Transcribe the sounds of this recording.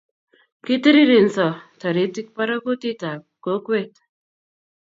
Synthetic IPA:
ki˦ti˦ɾi˦ɾe˨nsɔ˨ta˨ɾe˨˦ti˦k̚pa˦ɾɔ˦ko˦ti˦ta˨ | ko˨˦kwe˦t

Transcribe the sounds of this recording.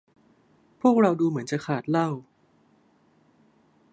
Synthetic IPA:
pʰu˥˩ək̚ɾa˧wduː˧mɯ˩˦ənt͡ɕa˨˩kʰaː˨˩t̪̚la˥˩w

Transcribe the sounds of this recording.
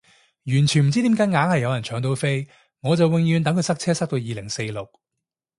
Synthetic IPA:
jyː˨˩nt͡ʃʰy˨nm̩˨˩t͡si˥t̪iː˨˥mkaː˨˥ŋaː˨˥nhɐ˨jːɐ˨˧wjɐ˨˩nt͡ʃʰœː˨˥ŋt̪o˧wfe˥j | ŋɔː˨˧t͡sɐ˨wɪ˨ŋjyː˨˧nt̪ɐ˨˥ŋkʰɵ˨˧jsɐ˥k̚t͡sʰɛː˥sɐ˥k̚t̪o˧wjiː˨lɪ˨˩ŋse˧jlʊ˨k̚

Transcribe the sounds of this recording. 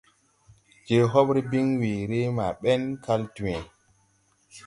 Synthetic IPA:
d͡ʒe˨ɦɔ˦ɓɾi˦bi˦ŋwi˨ɾe˦ma˨ɓɛ˦nka˦ltu˨ɛ˨

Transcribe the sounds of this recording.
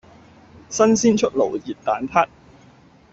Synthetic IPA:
sɐ˥nsiː˥nt͡ʃʰɵ˥t̚lo̰˨˩wjiː˨˩t̚t̪aː˨˥nt̪ʰaː˥t̚

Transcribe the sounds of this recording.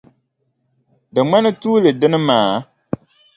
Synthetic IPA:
dɨ˨ŋ͡ma˦nɨ˦tuː˦lɨ˨dɨ˦nɨ˦maː˨

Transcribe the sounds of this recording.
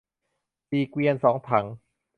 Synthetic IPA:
siː˨˩kwi˧ənsɔː˩˦ŋt̪ʰa˩˦ŋ

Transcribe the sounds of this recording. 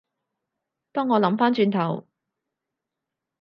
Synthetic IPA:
t̪ɔː˥ŋːɔː˨˧lɐ˨˥mfaː˥nt͡ʃyː˧nt̪ʰɐ˨˩w

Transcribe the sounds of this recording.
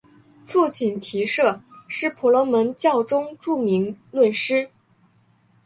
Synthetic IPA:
fu˥˧t͡ɕi˨˩nt̪ʰi˧˥ʂɤ˥˩ʂɻ̩˥˩pʰu˧˥lɔ˧˥mə˧˥nt͡ɕjɑ˥˩ʊʈ͡ʂʊ˥ŋʈ͡ʂu˥˩mi˧˥ŋlwə˥˩nʂɻ̩˥

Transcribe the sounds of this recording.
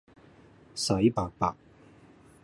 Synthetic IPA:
sɐ˨˥jpaː˨k̚paː˨k̚

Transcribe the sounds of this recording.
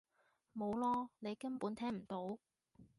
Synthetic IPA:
mo˨˧wlɔː˥ne˨˧jkɐ˥npuː˨˥nt̪ʰɛː˥ŋm̩˨˩t̪o˨˥w

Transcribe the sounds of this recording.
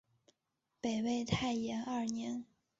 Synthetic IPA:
pe˨˩ɪwe˥˧ɪt̪ʰa˥˩ɪjɛ˧˥nɐ˞˥˩njɛ˧˥n

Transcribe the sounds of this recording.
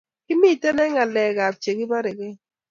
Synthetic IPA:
kɪ˦mi˦˨tɛ˦nɛ˦ŋa˨lɛ˨ɣa˨p̚t͡ʃe˨ɡɪ˦ba˦ɾɪ˨ɡɪ˦

